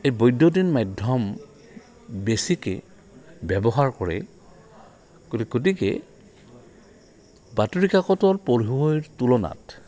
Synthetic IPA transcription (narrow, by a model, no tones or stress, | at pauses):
ejbɔjdjodinmajdʱɔm | besikɛ̰ | bɛbɔɦaɹkɔɹɛ̰ | koɡotikɛ̰ | batuɹikakɔtɔɹpɔɹɦuojɹtulɔna̰t